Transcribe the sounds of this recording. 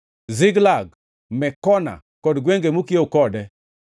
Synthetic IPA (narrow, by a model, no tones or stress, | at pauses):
zɪɡlaɡ̚ | mɛkɔna̰ | kɔdɡweŋɡemukiokɔdɛ